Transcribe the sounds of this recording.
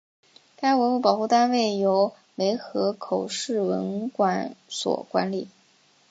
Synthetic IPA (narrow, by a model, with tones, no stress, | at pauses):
t̪ʰa˥we˧˥u˥˩pɑ˨˩xu˥˩t̪a˥nwe˥˩ɪjo˧˥ʊ | le˧˥ɪxɤ˧˥kʰo˨˩ʊʂɻ̩˥˩wə̰˧˥nkwa˧˥nswɔ̰˨˩kwa̰˧˥nli˨˩˦